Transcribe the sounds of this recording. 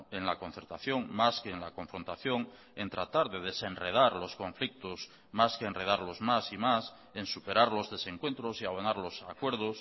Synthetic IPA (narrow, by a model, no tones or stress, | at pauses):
e̞nlakõ̞n̟θe̞ɾt̪aθjo̞ŋmaskeːnlakõ̞ɱfɾo̞nt̪aθjo̞ŋ | e̞nt̪ɾat̪aɾðe̞ð̞e̞se̞nre̞ð̞aɾlo̞skõ̞ɱflik̚t̪os | maskeenre̞ðaɾlo̞zmasimas | e̞nsupe̞ɾaɾlo̞zðe̞se̞ŋkwe̞nt̪ɾosiaβonaɾlo̞sa̰kwe̞ɾð̞os